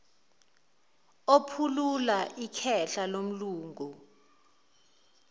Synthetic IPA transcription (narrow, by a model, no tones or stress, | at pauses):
opʰululaʔikʰɛɬalom̩luːŋɡu